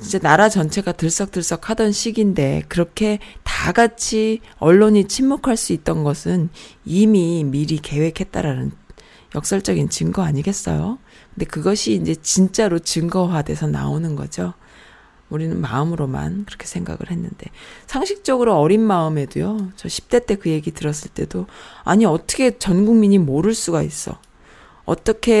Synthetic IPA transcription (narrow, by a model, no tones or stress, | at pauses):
ind͡ʑe̞naɾat͡ɕʌnt͡ɕʰe̞ɡatɯɭs͈ʌk̚t͈ɯɭs͈ʌkʰadʌnɕʰiɡinde̞kɯɾʌkʰe̞taɡat͡ɕʰiʌɭːoɲit͡ɕʰimmokʰaɭs͈uit̚t͈ʌnɡʌsʰɯnimimiɾike̞we̞kʰe̞t̚t͈a̰ɾanɯn | jʌk̚s͈ʌɭt͡ɕ͈ʌɡint͡ɕɯŋɡʌaɲiɡe̞s͈ʌ̰jo | kɯnde̞kɯɡʌɕʰiːnd͡ʑe̞t͡ɕint͡ɕ͈aɾot͡ɕɯŋɡʌɦwade̞sʰʌna̰onɯnɡʌ̰d͡ʑo | uɾinɯnmaɯmɯɾoma̰nkɯɾʌkʰe̞̥sʰe̞ŋɡa̰ɡɯ̰ɭhe̞nːɯnde̞̰sʰaŋɕʰik̚t͡ɕ͈ʌɡɯɾoʌɾinmaɯme̞dujot͡ɕʌɕʰi̥p̚t͈e̞t͈e̞kɯje̞ɡitɯɾʌs͈ɯɭt͈e̞̰doa̰ɲiʌt͈ʰʌkʰe̞t͡ɕʌnɡuŋmiɲimoɾɯɭs͈uɡais͈ʌ̰ | ʌ̰t͈ʌkʰe̞